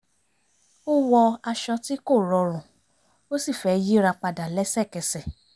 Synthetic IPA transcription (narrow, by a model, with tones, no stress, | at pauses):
o˦wɔ˧a˧ʃɔ˧ti˦ko˦˨ɾɔ˧ɾ̃ũ˨ | o˦si˦˨fɛ˧ji˦ɾa˧k͡pa˧da˨lɛ˦sɛ˦˨kɛ˧sɛ˨